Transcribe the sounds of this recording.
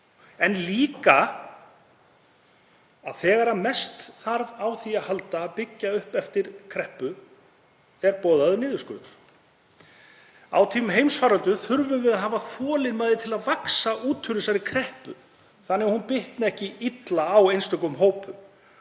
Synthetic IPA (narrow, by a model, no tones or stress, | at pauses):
ɛnliːka | aðθɛːɣaɾamɛst̪θaɾvawθiaðhalt̪aːpɪcːaʏhpɛft̪ɪɾ̥kʰɾɛhpʏ | ɛɾpɔːðaðʏnɪːðʏskʏ̰ːðʏɾ̥ | a̰wt̪ʰiːmʏmɦeːjmsfaːɾœlt̪ʏθʏɾvʏvɪðaðɦaːvaθɔːlɪnmajðɪt̪ʰɪlaðvaksauːt̪ʰːʏɾʏsaɾɪkʰɾɛhpʏ̰ | θanːɛɣahunpɪht̪nɛhcɪit̪laːwejnst̪œkʏmɦoːwpʏ